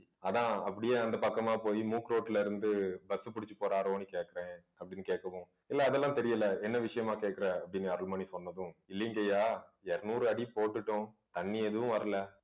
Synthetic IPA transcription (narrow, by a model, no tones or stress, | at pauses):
ɐðãːɐpːɐɽɪjeːɐnd̪ɐpɐkːɐmaːpoːjimuːkɾoːʈːɪlɐɪɾɯnd̪ɯbɐsɯpʊɽɪt͡ʃːɯ̥poːɾaːɾonikeːʈ̚kːɐɾẽːɐpːɐɽɪnːɯkeːʈ̚kːɐʋʊ̃ | ɪlːɐːðɛlːãːt̪ɛɾɪjɐlɐɛnːɐʋɪʂɐjɐmaːkeːʈ̚kːɪɾɐɐpːɐɽɪnːɐɾɯɭmɐːnisɔnːɐðʊ̃ɪlːɪŋɡejaːɛɾɐnuːɾɯɐɽipoːʈːɯʈːʊ̃t̪ɐɳːiɛðɯʋʊ̃ʋɐɾɐlɐ